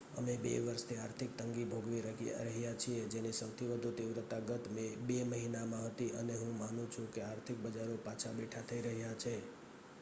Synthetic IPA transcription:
ə̰mebḛʋəɾst̪ʰiaɾt̪ʰɪk̚t̪əŋɡibʱoɡʋiɾəɾəɦijat͡ʃʰied͡ʒenisəwt̪ʰiʋəd̪ʱut̪iʋɾət̪aɡət̪mebeməɦinamãɦət̪iʔəneɦũmanũt͡ʃʰũkeaɾt̪ʰɪk̚bəd͡ʒaɾopat͡ʃʰabeʈʰat̪ʰəiɾəɦjat͡ʃʰe

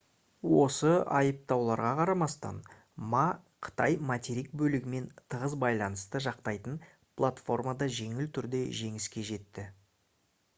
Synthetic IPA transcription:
wo̞səɑ̰jəp̚t̪ɑwlˠɑɾʁɑqʰɑɾɑmɑst̪ɑ̰n | mɑqʰə̥t̪ɑjmat̪ʲeɾik̚bɵlɪɡʲɪme̞nt̪ʰəʁəzbɑjlˠɑnəst̪əʒɑqt̪ɑjt̪ən | pʰlˠat̪fo̞rmad̪ɑʒe̞ŋɪlt̪ʰʏɾd̪e̞ʒe̞ŋɪskʲe̞ʒe̞t̪ːɪ

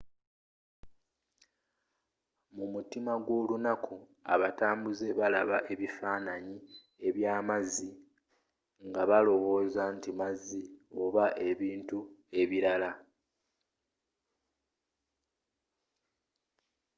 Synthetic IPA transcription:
mumutimaɡwo̞ːlunakʰua̰βataːmbuze̞βalaβaʔe̞βifaːnaɲi | e̞βjaːmazi | ŋɡaβalo̞βo̞ːzantimazːio̞βaʔe̞βiːntue̞βiɾala

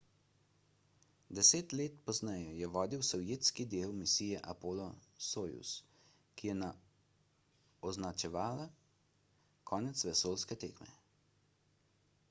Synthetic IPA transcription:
d̪ɛseːt̪leːt̪pɔznɛjɔjɛʋɔːd̪iwsɔwjeːt̪skid̪eːwmisiːjɛʔapoːlɔsoːjṵs | kijɛna | ɔznat͡ʃɛʋaːla | kʰɔːnɛt̪sʋɛsoːlskɛt̪eːkmɛ̰

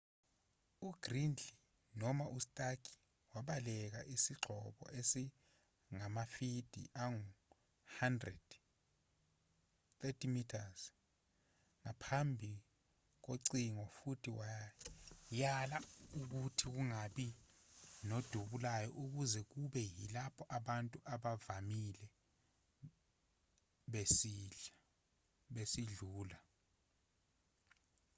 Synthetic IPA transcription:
uɡ̥rind͡ɮʱi | nɔmaʔustʼakʰi̥ | waɓalɛk̬aʔisiɡ͡ǃʱɔɓɔ̰ʔesi | ŋamafid̥ʱḭʔaŋu | handrɛd̥ | t̪etʰimitʰaz | ŋapʰambʱi | k̬oǀiŋɔfutʰiwaj | jalauk̬utʰik̬uŋaɓi | nod̥ʱuɓulajɔʔuk̬uzɛk̬uɓɛjilapʰɔʔaɓantʼuʔaɓavamilɛ | ɓesiːɮa | ɓesiɮuːla

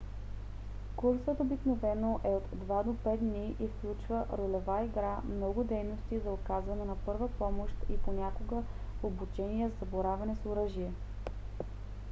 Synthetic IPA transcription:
kuɾsət̪obiknovɛnoʔɛot̪d̪vad̪opɛt̪̚d̪niʔifklʲut͡ʃvəʔɾolɛvaiɡɾamnɔɡʊd̪ɛjnost̪izɐokazvɐnɛnɐpɤɾvəpɔmoʃt̪iponʲakoɡəobut͡ʃɛniəzzɐboɾavɐnɛsoɾɤʒiɛ

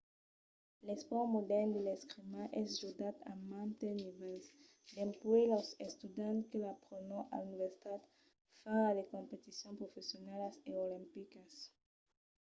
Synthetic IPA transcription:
lespɔmod̪ɛʁnd̪eleskʁimaʔɛsʒud̪at̪a̰mãnt̪enivɛls | d̪ẽmpwelosest̪ud̪ãnt̪kelapʁonoʔa̰luniveɾsi̥t̪at̪ | faɾadekõmpet̪isjõmpʁofesjonalaseolĩmpikas

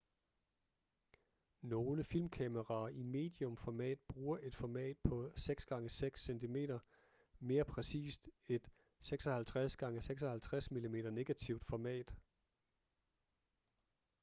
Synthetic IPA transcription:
no̝ːləfilmkʰɛməʁɑ̈ːʔime̝̰ːd̥iɔ̽mfɒmɛ̰ːd̥̚b̥ʁuːɐʔe̝d̥fɒmɛ̰ːd̥̚pʰɒ̽seɡ̥sɡ̥ɑ̈ŋəseɡ̥sːent͡sʰime̝̰ːdɾɐ | me̝ːɐpʰʁɛsḭːsd̥e̝d̥ | seɡ̥sɒhælt͡sʰʁasɡ̥ɑ̈ŋəseɡ̥s̬ɒhælt͡sʰʁasmilime̝̰ːɾ̥ɐne̝ɡ̥æt͡sʰiʊd̥fɒmɛ̰ːd̥

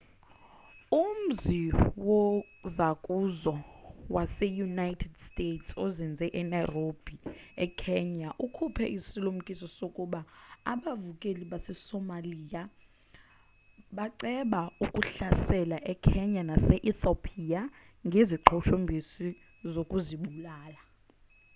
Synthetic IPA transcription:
um̩ziwɔ | zakʼuzɔwasɛjunajtʰɛdstʼetsɔzind͡zʱɛʔɛnajrob̥ʱiɛkʰɛɲaʔukʰupʰɛ̰ʔisilum̩kʼisɔsokʼuɓaa̰ɓavukʼeliɓasɛsɔmaliːja | ɓaǀɛɓaukʼuɬasɛlaʔɛkʰɛɲanasɛʔiθopʰia | ŋɡʱeziǃʰɔʃombʱisi | zokʼuziɓulaːla

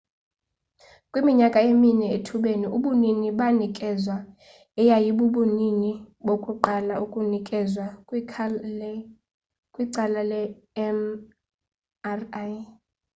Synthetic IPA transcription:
kʼwimiɲakʼaeminɛetʰuɓeniuɓuniniɓanikʼɛzwa | ɛjajiɓuɓuniniɓokʼuǃalaukʼunikʼɛzwa | kʼwiǀalalɛ | m | r

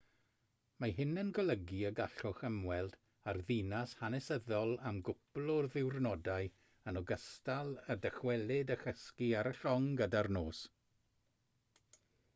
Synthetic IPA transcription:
maɦɪnənɡɔlˠəɡiəɡaɬʊχəmwɛlˠd | arðinashanɛsəðɔlˠamɡʊblˠʊrðɪwrnɔdaɨ | ənɔɡəstalˠədəχwɛlˠɪdəxəskiaɾəɬɔŋɡədarnoːs

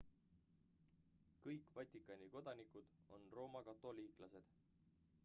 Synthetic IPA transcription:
kɤjkvɑt̪ʲːˑikːˑɑnʲiko̞d̪̥ɑnikud̪̥o̞̰nro̞ːmɑkɑt̪ːˑo̞liːklɑse̞d̪̥

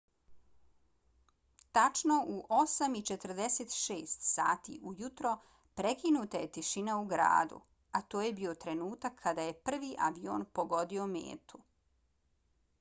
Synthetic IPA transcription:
t̪at͡ʃnoʔuʔo̞samit͡ʃet̪r̩d̪e̞set̪ʃeːst̪sa̰ːt̪ḭʔujut̪ɾo̞ | pɾe̞kinut̪aje̞t̪iʃinauɡɾa̰ːd̪ṵ | at̪oːje̞bio̞t̪ɾe̞nuːt̪akʰːad̪aje̞pr̩ʋiʔaʋio̞̰npo̞ɡo̞d̪io̞mḛːt̪u

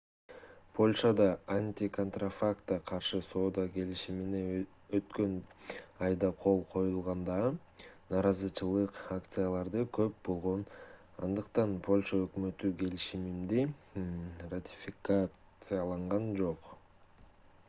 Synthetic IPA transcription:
pʰo̞lʲʃad̪ɑanʲt̪ʲiko̞nt̪rafakt̪ɑqʰɑɾʃɯso̞ːd̪ɑke̞liʃimine | øt̪kø̞nɑjd̪ɑqʰo̞lˠqʰo̞julˠʁɑnd̪ɑɯ | nɑːɾɑzɯt͡ʃɯlˠɯqakt̪sɨjalˠɑɾd̪ɯkʰø̞p̚bo̞lˠʁo̞n | ɑ̰nd̪ɯqt̪ɑnpʰo̞lʲʃaøkmø̞t̪yke̞liʃimimd̪i | rat̪ʲɪ̥fʲɪka | sɨjalˠɑɴʁɑnd͡ʒo̞q

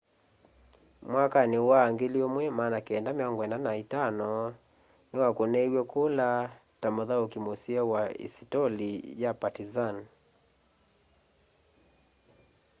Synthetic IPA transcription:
mwakaniwaŋɡiliɔmwɛmaːnakiɛndamiaŋɡwɛnanaitanɔ | niwakunɛiwɛkula | tamɔðaukimosiawaḭsitɔlijapatizan

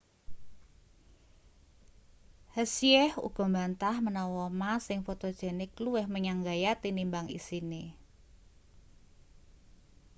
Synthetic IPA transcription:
həsiɛhṵɡ̥ɔ̤mbant̪ahmənɔwɔmasɪŋfot̪od̥ʒ̥ɛnɪkluɪhməɲaŋɡajat̪inimbaŋḭsini

